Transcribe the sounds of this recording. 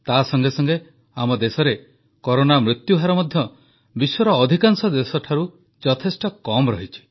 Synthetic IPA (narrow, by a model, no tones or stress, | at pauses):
t̪asɔŋɡesɔŋɡe | amɔd̪esɔɾe | kɔɾonamɾut̪juɦaɾɔmɔd̪ʱjɔ | biswɔɾɔːd̪ʱikaŋsɔd̪esɔʈʰaɾu | d͡ʒɔt̪ʰesʈɔkɔmɔɾɔɦit͡ʃʰi̥